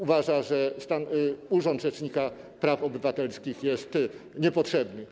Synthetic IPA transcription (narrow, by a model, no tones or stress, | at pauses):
uvaʐaʐɛst̪anuʐɔnd̪ʐɛt͡ʂɲika | pɾafɔbɘvat̪ɛlskʲixjɛst̪ɲɛpɔtʂɛbnɘ